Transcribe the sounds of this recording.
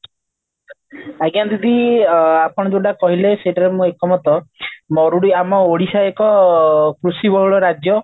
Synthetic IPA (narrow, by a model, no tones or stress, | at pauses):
aɡjant̪id̪iapɔɽ̃ɔd͡ʒeʈakɔɦileseʈaɾemũekɔmɔt̪ɔmɔɾuɽiamɔoɽisaekɔkɾusibɔɦɭɔɾad͡ʒjɔ